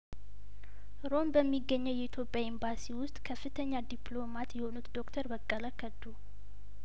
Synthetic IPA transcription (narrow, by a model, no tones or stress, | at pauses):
ɾo̞mbəmːiɡːəɲːəwjɛit̪ʰjo̞pʼjaimbasiwʊst̪ʼkʰəfːɨt̪ʰəɲːad̪iplo̞mat̪jɛho̞nut̪d̪o̞kt̪ʰəɾbəkʼːələkʰːəd̪u